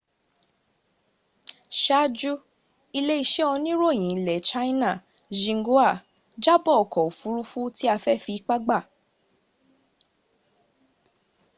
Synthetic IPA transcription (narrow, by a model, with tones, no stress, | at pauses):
ʃa˦d͡ʒu˦ | i˧le˦i˧ʃe˦ɔ˧nĩ˦ɾo˦˨j̃ĩ˨lɛ˨˦t͡ʃa˦i˦nã˦˨ | d͡ʒĩ˧˦ɡo˦a˦˨ | d͡ʒa˦bɔ˦˨kɔ˨o˨fu˨˦ɾu˦fu˦ti˦a˧fɛ˦fi˨˧˦k͡pa˦ɡ͡ba˦˨